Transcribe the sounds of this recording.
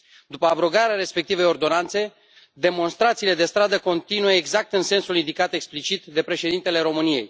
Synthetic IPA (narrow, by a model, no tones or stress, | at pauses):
d̪upəabɾo̞ɡaɾeaɾe̞spek̚t̪ivəo̞rd̪o̞nant̪se̞ | d̪e̞mo̞nst̪ɾat̪siːle̞d̪e̞st̪ɾad̪əko̞nt̪inujeːɡzak̚t̪ɨnse̞nsulind̪ikat̪e̞ksplit͡ʃit̪d̪e̞pɾe̞ʃe̞d̪int̪e̞le̞ɾo̞mɨnije̞̰j